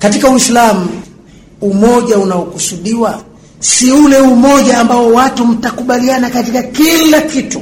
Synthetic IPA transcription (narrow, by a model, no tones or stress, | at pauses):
katikauwislamu | umɔʄaunaɔkusuɗiwa | siulɛumɔʄaːmbaɔwatum̩takuɓalianakatikakilakitu